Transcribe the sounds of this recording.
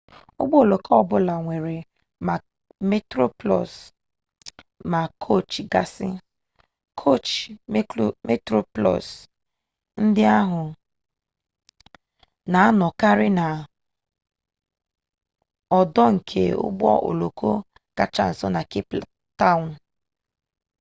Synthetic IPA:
ʊ̰˦ɡ͡bɔ˦o˨lo˨kʰɔ˦ɔ˦˨bʊ˦la˨ŋʷe˨ɾe˨ | ma˨ | me˦tɾo˦plɔ̰˨s | ma˨kʰo˦˨t͡ʃɡa˨sɪ˦ | kʰo˦˨t͡ʃm˦me˦tɾo˦plɔ̰˨s | n̩˦dɪ˦a˦ɦʊ˨ | na˨a˦nɔ˨ka˦ɾɪ˦na˨ | ɔ˨dɔ˦ŋ̩˨kʰḛ˦ʊ̰˦ɡ͡bɔ̰˦ʔo̰˨lo˨kʰo˦ | ka̰˨t͡ʃa̰˨n̩˨sɔ˦na˨ki˦pl | ta˦ʊ˨n̩˨

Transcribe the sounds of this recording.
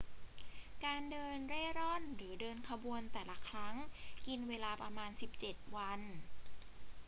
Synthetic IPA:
kaː˧ndɤː˧nɾeː˥˩ɾɔ˥˩nɾɯː˩˦dɤː˧nkʰa˧bu˧ənt̪ɛː˨˩la˦kʰɾa˦˥ŋki˧nweː˧laː˧pɾa˧maː˧nsi˨˩p̚t͡ɕe˨˩t̪̚wa˧n

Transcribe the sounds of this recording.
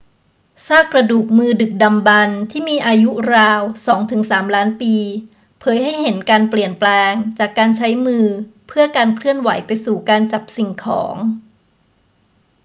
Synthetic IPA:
saː˥˩kɾa˧duː˨˩k̚mɯː˧dɯ˨˩k̚da˧mba˧nt̪ʰiː˥˩miː˧ʔaː˧ju˦˥ɾaː˧wsɔː˩˦ŋt̪ʰɯ˩˦ŋsaː˩˦mlaː˦˥npiː˧ | pʰɤː˩˦jɦa˥˩jɦe˩˦nkaː˧npli˨˩ənplɛː˧ŋt͡ɕaː˨˩kːaː˧nt͡ɕʰa˦˥jmɯː˧pʰɯ˥˩ɐəkaː˧nkʰlɯ˥˩ənwa˩˦jpa˧jsuː˨˩kaː˧nt͡ɕa˨˩p̚si˨˩ŋkʰɔ̰ː˩˦ŋ

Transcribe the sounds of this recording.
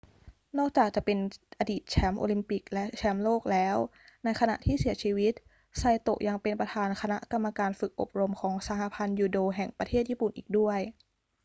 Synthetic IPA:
nɔː˥˩k̚t͡ɕaː˨˩k̚t͡ɕa˨˩pe˧nʔa˧diː˨˩t̪̚t͡ɕʰɛ˦˥mʔo̰ː˧li˧mpi˨˩k̚lɛ˦˥ʔt͡ɕʰɛ˦˥mloː˥˩k̚lɛː˦˥w | na˧jkʰa˧na̰˨˩ʔt̪ʰiː˥˩si˩˦ɐt͡ɕʰiː˧wi˦˥t̪̚ | sa˧jt̪o˨˩ʔ̚ja˧ŋpe˧npɾa˧t̪ʰaː˧nkʰa˧na˦˥ʔka˧mːa˧kaː˧nfɯ˨˩k̚ʔo̰˨˩p̚ɾo˧mkʰɔː˩˦ŋsa˧ha˧˩pʰa˧njuː˧doː˧ɦɛ˨˩ŋpɾa˧eː˥˩t̪̚jiː˥˩pu˨˩nʔḭː˨˩k̚du˥˩əj

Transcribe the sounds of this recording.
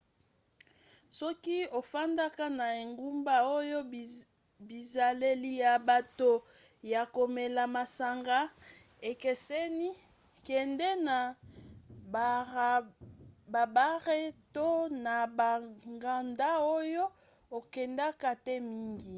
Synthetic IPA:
sɔ˦ki˦o˨fa˦nda˦ka˦na˨e˨ŋɡu˦mba˦o˦jo˦ | bi˨za˨le˦li˨ja˨ba˨to˨ | ja˨ko˨me˨la˨ma˨sa˨ŋɡa˦ | e˨kɛ˨sɛ˦ni˦ | kɛ˨ndɛ˦na˨ | ba˨ba˦ʁe˦to˦na˨ba˨ŋɡa˨nda˦o˦jo˦ | o˨kɛ˨nda˦ka˦tɛ˦mi˦ŋɡi˨

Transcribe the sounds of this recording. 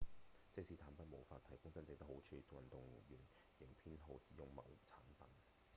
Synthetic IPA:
t͡sɪ˥k̚siː˧˥t͡sʰaː˨˥npɐ˨nmo˨˩wfaː˧t̪̚ʰɐ˨˩jkʊ˥ŋt͡sɐ˥nt͡sɪ˨k̚t̪ɐ˥kho˨˥wt͡ʃʰyː˨˧t̪o˧wɐ˨nt̪ʊ˨ŋjyː˨˩n | jɪ˨˩ŋpʰiː˥nɦo˨˧wsiː˨˥jʊ˨ŋmɐ̰˨˩wt͡sʰaː˨˥npɐ˨˥n

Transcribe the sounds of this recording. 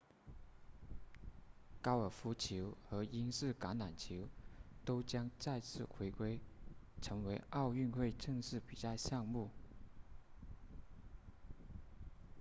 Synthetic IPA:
kɑ˥ʊə˞˨˩fu˧˥t͡ɕʰi˧˥ʊxɤ˧˥i˥nʂɹ̩˥˩ka˧˥nna˨˩nt͡ɕʰi˧˥ʊt̪o˥ʊt͡ɕjɑ˥ŋt͡sa˥˧ɪt͡sʰɹ̩˥˩xwe˧˥ɪkwe˥ɪ | ʈ͡ʂʰɤ˧˥ŋwe˧˥ɪɑ˥˧ʊy˥˧nxwe˥˧ɪʈ͡ʂɤ˥˧ŋʂɻ̩˥˩pi˨˩t͡sa˥˧ɪɕjɑ˥˧ŋmu˥˩

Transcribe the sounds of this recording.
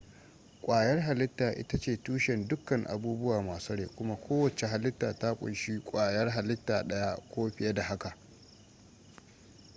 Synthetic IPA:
kʷʼaː˨jɐ˦rɦa˨lɪ˦tːaː˨ʔɪ̰˦ta˦t͡ʃeː˨tuː˦ʃɛ˨ndʊ˦kːɐ˨ŋʔa̰˨buː˦bʊ˦waː˨maː˨sɐ˦ɽeː˨kʷʊ˦ma˦kʷʰoː˦wɐ˨t͡ʃe˨ɦa˨lɪ˦tːaː˨ta˦kʷʼʊ̰˨nʃi˦kʷʼaː˨jɐ˦rɦa˨lɪ˦tːaː˨ɗɐ˦ja˦kʷoː˦ɸɪ˨ja˦da˨ɦa˦ka˨ʔ

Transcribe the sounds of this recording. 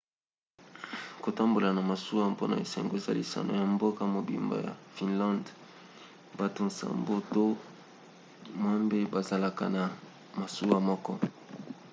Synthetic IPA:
ko˨ta˦mbo˨la˨na˨ma˨su˦wa˦po˦na̰˨ḛ˨sɛ˨ŋɡo˦e˨za̰˦li˨sa̰˨no̰˨ja˨mbo˦ka˦mo˨bḭ˨mba̰˨ja̰˨fi˨nlã˦nd | ba˨to˨nsa̰˦mbo˦to˦ | mwa˦mbe˦ba˨za˨la˨ka̰˨na˨ | ma˨su˦wa˦mɔ˦kɔ˦

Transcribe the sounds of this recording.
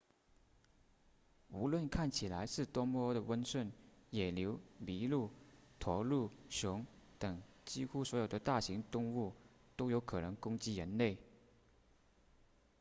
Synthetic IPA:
u˧˥lwə˥˧nkʰa˥˩nt͡ɕʰi˨˩la˧˥ɪʂɻ̩˥˩t̪wɔ˥mɔ˥d̪ə˨wə˥nswə˥˩njɛ˨˩ljo˧˥ʊli˧˥lu˥˩t̪ʰwɔ˧˥lu˥˩ɕjʊ˧˥ŋt̪ɤ˨˩ŋt͡ɕi˥xu˥swɔ˧˥jo˨˩ʊd̪ə˦t̪a˥˩ɕi˧˥ŋt̪ʊ˥˧ŋu˥˩ | t̪o˥ʊjo˧˥ʊkʰɤ˨˩nɤ˧˥ŋkʊ˥ŋt͡ɕi˥ɻə˧˥nle˥˩ɪ

